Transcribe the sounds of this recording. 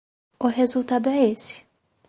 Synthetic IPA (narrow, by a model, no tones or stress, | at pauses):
ʊɦezuwt̪ad̪ʊɛesɪ̥